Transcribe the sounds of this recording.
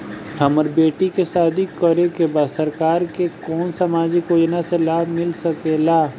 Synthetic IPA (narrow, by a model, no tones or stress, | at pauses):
ɦɐməɾbeːʈikesaːd̪ikəɾekebaːd̪səɾkaːɾkekɔːnsamaːd͡ʒɪkoːd͡ʒnaselaːbʱmɪlsɐkelaː